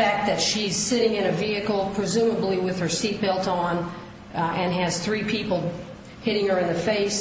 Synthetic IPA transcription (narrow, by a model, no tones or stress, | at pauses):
æk̚t̪̚ðɨtʃiz̥sɪɾɪ̃ŋɨ̃ñɨviɨkl̩ˠpʰɹ̥ɨzʉ̃məbliwɨð̥ə˞sit̚b̥ɪlˠtn̩ | ɨ̃nɨz̥θɹipʰipl̩ˠ | hɪɾɪ̃ŋə˞ɨ̃nðɨfeɪs